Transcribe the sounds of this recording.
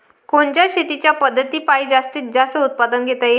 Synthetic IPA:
koɳt͡ɕjaɕet̪it͡ɕjapəd̪ʱːət̪iːpaid͡zast̪iːt̪̚d͡zast̪əut̪̚pad̪ənɡʱet̪aje

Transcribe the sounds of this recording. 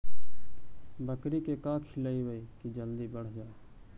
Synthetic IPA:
bəkɾikekaːkʰilaiweikid͡ʒəld̪ibɐɽ̤d͡ʒaː

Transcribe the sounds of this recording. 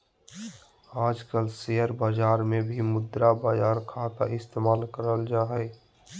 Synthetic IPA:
aːd͡ʒkəlsejəɾbaːd͡ʒaːɾmẽbʱimʊd̪ɾabaːd͡ʒaːɾkʰat̪a̰ʔɪst̪emaːlkəɾəld͡ʒaɦɛj

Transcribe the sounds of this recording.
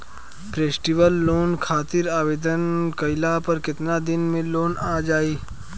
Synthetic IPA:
pɾeːsʈiʋəlːoːnkʰaːt̪ɪɾaːʋeːd̪ənkɐɪlapɐɾkɪt̪nad̪ɪnmẽloːnaːd͡ʒaːiː

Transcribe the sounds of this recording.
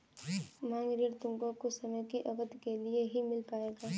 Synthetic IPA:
mãːŋɡɾiɾt̪ʊ̃ŋɡokosɐməjkiʔɐɡət̪kelieɦimɪlpaːeːɡaː

